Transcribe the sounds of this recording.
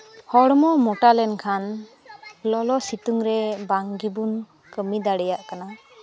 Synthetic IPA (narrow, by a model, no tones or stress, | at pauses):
hɔɽɔmɔmɔʈalɛnkʰan | lɔlɔsit̪uŋɾɛbaŋɡibun | kəmid̪aɽɛjaʔkana